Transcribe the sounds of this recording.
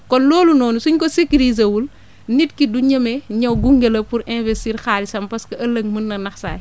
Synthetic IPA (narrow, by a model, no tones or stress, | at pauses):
kɔnlɔːlunɔːnusuɲkɔsekiɾiːz̬ɐwul | nit̚kiduɲɐmɛɲɐwɡuŋɡelɐpuɾɛ̃nvɛstiːɾxaːɾisɐmpɐskɐʔɐlːɐŋmənːɐnɐxsa̰ːj